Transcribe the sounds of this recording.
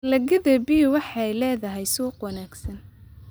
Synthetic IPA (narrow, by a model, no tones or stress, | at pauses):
lɐɣɪðɐbiwɑħɑjlɛːðɐɦɛjsuːqwɑnaːɡsɐn